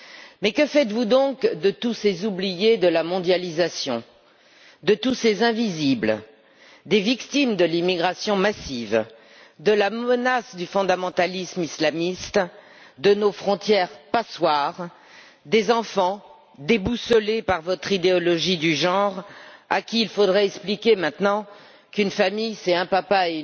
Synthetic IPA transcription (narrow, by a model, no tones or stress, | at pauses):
mɛkəfɛt̪vud̪ɔ̃kd̪ət̪usezublijed̪əlamɔ̃d̪jalizasjɔ̃ | d̪ət̪usezɛ̃vizibl | d̪evikt̪imd̪əlimiɡʁasjɔ̃masiv | d̪əlamənasd̪yfɔ̃d̪amɑ̃t̪alismislamist̪ | d̪ənofχɔ̃t̪jɛʁpaswaʁ | d̪ezɑ̃fɑ̃ | d̪ebusɔlepaʁvɔt̪χid̪eɔlɔʒid̪yʒɑ̃ʁa̰kʲiilfod̪ʁɛɛksplikʲemɛ̃t̪nɑ̃ | kynfamijsɛɛ̃papae